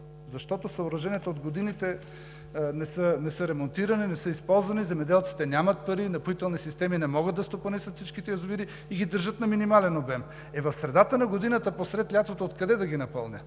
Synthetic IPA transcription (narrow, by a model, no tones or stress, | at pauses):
zɐʃt̪ɔt̪osɐoɾɐʒɛniɛt̪ood̪ɡod̪init̪ɛ | nɛsənɛsəɾɛmont̪iɾɐninɛsɤispɔlˠzvɐnizɛmɛd̪ɛlˠt̪si̥t̪ɛnʲjamɐt̪̚pɐɾinɐpit̪ɛlˠnisist̪ɛminɛmɔɡət̪d̪ɐst̪oponɛsʲət̪fsit͡ʃkit̪ɛəzviɾi | iɡid̪əɾʒət̪nɐminimalɛnobɛm | ɛvɐfsɾɛd̪at̪ənɐɡod̪inɐt̪ɐposɾɛt̪lʲat̪vot̪ot̪kɐd̪ɛd̪ɐɡʲinɐpɤlˠnʲə̰